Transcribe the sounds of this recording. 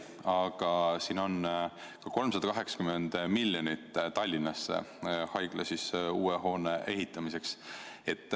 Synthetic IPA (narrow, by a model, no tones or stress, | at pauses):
ɑɡ̥ɑsiːno̞n | kɑko̞lmsɑd̪̥ɑkɑɦe̞ksɑ̥kymend̪milʲːjonit̪ːt̪ɑlʲːinːɑsːhɑjɡ̥lɑsisuːeɦo̞ːneʔeɦit̪ːˑɑmise̞kse̞t̪ːˑ